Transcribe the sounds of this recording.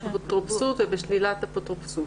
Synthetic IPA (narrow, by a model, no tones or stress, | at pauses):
pot̪ʁopsud̪vebeʃlilat̪apot̪ʁopsu